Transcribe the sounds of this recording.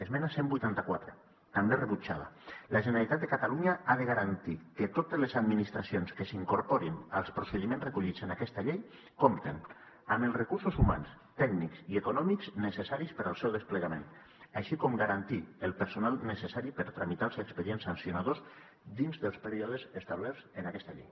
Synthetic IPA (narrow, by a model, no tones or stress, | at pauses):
ezmɛnasembujt̪ant̪akwat̪ɾə | t̪amberəβut͡ʃaða̰laʒenealit̪at̪̚d̪ekat̪aluɲaaðəɣaɾant̪ikət̪ot̪ezlezad̪minist̪ɾasionskəsiŋkoɾpoɾinalˠspɾosəðimẽnzrekuʎid͡zenakɛst̪aʎej | komt̪en | aməlˠsrəkuɾsuzuma̰ns | t̪ɛknikziekunɔmikznəsesaɾispəɾalˠsɛwðəspləɣamḛn | aʃikɔmɡaɾant̪iəlˠpəɾsunalˠnəsesaɾipəɾt̪ɾamit̪alˠsːkspəɾiensansjunaðos | d̪inzðəlˠspəɾiɔðezest̪aβlɛɾzənakɛst̪aʎḛj